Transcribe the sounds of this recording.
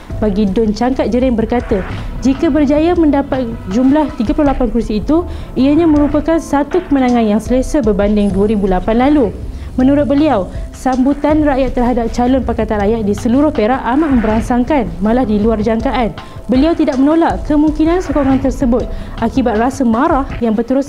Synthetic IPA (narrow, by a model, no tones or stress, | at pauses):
baɡidʊnt͡ʃaŋkat̪̚d͡ʒəɾɪŋbərkat̪əd͡ʒikabərd͡ʒajamə̃ndapat̪̚d͡ʒumlaht̪iɡapulʊhlapankursiːt̪u | iəɲãmə̃ɾupakansat̪ukəmənãŋãnjaŋsələsəbərbandɪŋduəɾibulapanlalu | mə̃nuɾʊt̪̚bəliawsambut̪anraʔjat̪ːərɦadap̚t͡ʃalʊnpakat̪anrajat̪̚disəluɾʊhpɾaʔʔamaʔmə̃mbəɾansaŋkanmãlahdiluard͡ʒaŋkaʔan | bəliawt̪idak̚mənõlaʔkəmuŋkinãnsokɔŋant̪ərsəbʊt̪̚ʔakibat̪̚rasəmãɾahjaŋbərt̪uɾʊs